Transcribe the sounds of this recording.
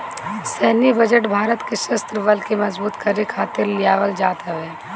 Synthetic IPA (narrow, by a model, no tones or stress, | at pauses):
sɛɦnibɐd͡ʒəʈbʱaːɾət̪keʃɐst̪ɾəʋɐlkemɐzbuːt̪kɐɾikʰaːt̪ɪɾlɪjaːʋəld͡ʒaːt̪aɦɛː